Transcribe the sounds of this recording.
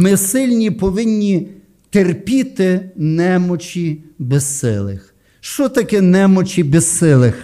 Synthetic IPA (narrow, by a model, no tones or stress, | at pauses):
mɪsɪlʲnʲipɔʋɪnʲːi | t̪erpʲit̪ɪnɛmɔt͡ʃʲibɛsɪ̰lˠɪ̰x | ʃt͡ʃɔt̪ɐkɛnɛmɔt͡ʃʲibɛssɪlˠɪx